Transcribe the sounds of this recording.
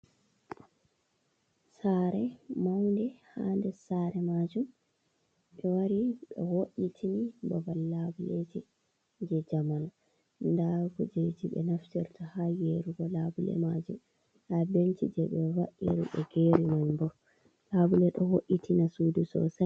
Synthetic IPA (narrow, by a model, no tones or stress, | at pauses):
saɾɛmawndɛhandɛsaɾɛmad͡ʒum | ɓɛwaɾiɗɔ̰woʔːitʰinibɔbalːabuled͡ʒi | d͡ʒɛd͡ʒaman | ndaɡud͡ʒejtiɓɛ̰naftɛɾtʰɔhajeɾuɡɔlabulɛ̰mad͡ʒum | habentid͡ʒɛɓɛwa̰ʔḭɾuɓɛ̰ɡeɾimaɲbɔ | labulɛɗɔhoʔitʰinasuːdusɔ̰sa